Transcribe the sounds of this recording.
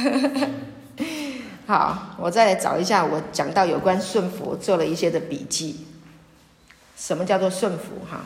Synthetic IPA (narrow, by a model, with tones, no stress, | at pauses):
xɑ˨˩˦ʊwɔ˨˩t͡sa˥˩ɪla˧˥ɪʈ͡ʂɑ̰˨˩ʊi˧˥ɕja˥˩wɔ˨˥t͡ɕjɑ˨˩ŋt̪ɑ˥˩ʊjo˨˩ʊkwa˦nʂwə˥˩nfṵ˧˦t͡swɔ˥˩lə˨˩i˥˩ɕjɛ˥d̪ə˨pḭ˨˩t͡ɕi˥˩ | ʂə˨˧˥nmə˧t͡ɕjɑ˥˧ʊt͡swɔ˥˧ʂwə˥˩nfṵ˧˦xa̰˧˩